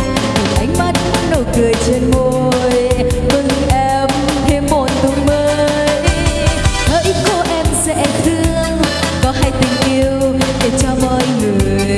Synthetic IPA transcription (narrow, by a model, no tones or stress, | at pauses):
kɨʔajŋ̟mat̚mat̚nojkɨəjt͡ɕenmojvɨŋʔɛm | t̪ʰemmot̚t̪uŋməː | j | h̪əːjkoʔɛmsɛ̰t̪ʰɨəəŋ | kɔɦaːjt̪ïŋ̟ʔiəwɗet͡ɕɔməːjŋɨəj